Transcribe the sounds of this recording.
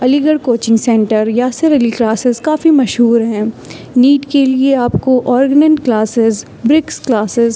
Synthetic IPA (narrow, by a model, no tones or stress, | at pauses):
ɐliɡəɽkoːt͡ʃɪ̃ŋɡsɛ̃ɳʈəɾjaseɾəliklaːsɪzkaːfimɐʃɦuːɾɦɛ̃ː | niːʈkelieaːpkoʔɔːɾɡnẽɳʈklaːsɪz | bɾɪksklaːsɪz